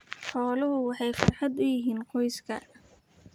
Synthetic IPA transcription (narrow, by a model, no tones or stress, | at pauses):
ħɔːlʊɦʊwɑħɑjfɪ̰rħɑd̪ʊjɪɦiːnqʰɔjskʰɐ̰